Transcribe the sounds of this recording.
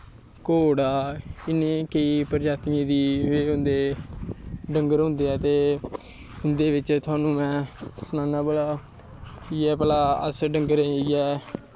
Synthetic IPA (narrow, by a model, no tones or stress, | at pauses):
koːɽaːɪnẽːkəiːpəɾd͡ʒaːt̪mẽːd̪iːʋeːʊ̃nd̪eː | ɖəŋɡəɾɦʊ̃nd̪eːɛːt̪eː | ʊnd̪eːʋɪt͡ʃt̪ʰʊaːnũːmɛ̃ːsənãːnaːbəlaː | iɛːpəlaːə̰sɖəŋɡəɾẽːiːɛː